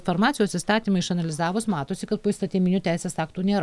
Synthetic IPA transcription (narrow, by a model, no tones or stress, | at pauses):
foɾmɑːt̪ʲɪjoːsist̪ɑːt̪ʲiːmɐɪʃɐnɐlʲɪzɑːʋosmɑːt̪oːsʲɪkɐt̪̚poːɪst̪ɐt̪ʲiːmʲɪnʲut̪ʲæɪsʲeːsɑːkt̪uːnʲeːɾ